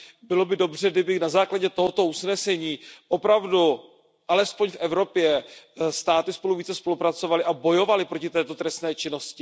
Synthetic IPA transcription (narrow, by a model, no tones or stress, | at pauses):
bɪlo̞bɪdo̞br̝ɛɡdɪbɪnazaːklaɟɛt̪o̞ɦo̞t̪o̞usnɛsɛɲiːʔopɾavdu | ʔalɛspoɲfʔɛvɾo̞pjɛst̪aːt̪ɪspo̞luviːt͡sɛspo̞lupɾat͡so̞valɪʔabo̞jo̞valɪpɾo̞cɪt̪ɛːt̪o̞t̪ɾɛst̪nɛːt͡ʃɪno̞scɪ